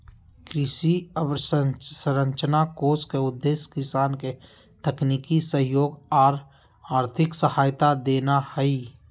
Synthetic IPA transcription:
kɾɪʃiəbɾsəɾə̃ɲt͡ʃənakoːskeʊd̪ːeːʃkɪsaːnke | t̪əkniːkisəɦjoːɡaːɾ | aːɾt̪ʰɪksəhaːjt̪ad̪eːnahɛi

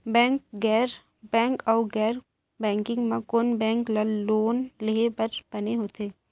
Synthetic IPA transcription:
bɛ̃ːŋk̚ɡɛːɾ | bɛ̃ːŋkɔːɡɛːɾ | bɛ̃ːŋkɪ̃ŋɡmãkonbɛ̃ːŋklɐlloːnleɦepəɾbɐneɦoːt̪eː

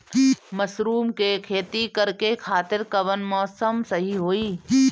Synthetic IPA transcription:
mɐsɾuːmkekʰeːt̪ikɐɾkekʰaːt̪ɪɾkɐʋənmɔːsəmsɐɦiɦoːiː

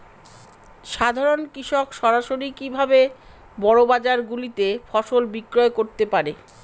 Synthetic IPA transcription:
ʃad̪ʱaɾonkɾiʃokʃɔɾaʃoɾikibʱabe | bɔɽobad͡ʑaɾɡulit̪efɔʃolbikɾɔekoɾt̪epaɾe

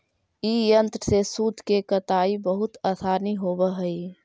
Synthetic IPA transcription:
iːjə̃nt̪ɾəsesuːd̪ʱkekət̪aːibəɦʊt̪əsʰaːniɦoːbəɦəi

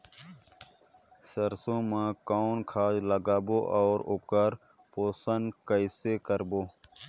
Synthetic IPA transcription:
səɾsõːmãːkankʰaːd͡ʒləɡaːboːʔɔːɾʊkəɾ | poːsənkəisekəɾboː

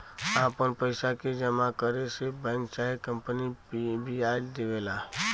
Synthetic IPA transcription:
aːpənpəɪsaked͡ʒəmakəɾesebənt͡ʃaːekə̃mpənibʱiaːld̪eʋeːlaː

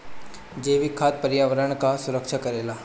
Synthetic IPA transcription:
d͡ʒeːʋikʰːaːt̪̚pəɾjaːʋəɾəɽ̃kasʊɾəkʃʰakɐɾeːlaː

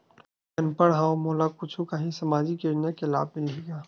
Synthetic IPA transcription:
kɐnpəɽɦãːõmoːlakʊt͡ʃʰukaɦisɐmaːd͡ʒikeɾnakela̰ːb̚mɪliːɡaː

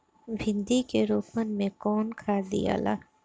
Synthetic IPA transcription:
bʱɪ̃nd̪ikeɾoːpmənmẽkɔːnkʰaːd̪ḭja̰ːla̰ː

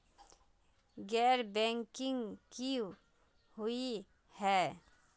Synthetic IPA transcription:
ɡɛːɾbɛ̃ːŋkɪ̃ŋɡki | ɦʊi | hɛː

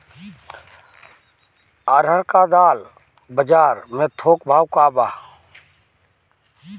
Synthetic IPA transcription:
aɾəɾkad̪aːl | bəd͡ʒaːɾmẽt̪ʰoːkbʱaːwkaːbaː

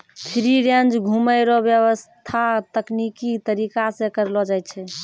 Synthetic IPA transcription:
pʰɾiɾãnd͡ʒɡʱuməɪɾɔbjəβəst̪ʰat̪əknikit̪əɾikasẽkəɾlɔd͡ʒajt̪t͡ʃʰɛ

